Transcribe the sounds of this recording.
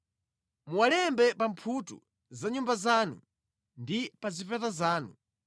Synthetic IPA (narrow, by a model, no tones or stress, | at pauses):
muwalɛmbɛpampʰutṵ | zaɲumbazaːnṵ | ndipazifɛtazaːnu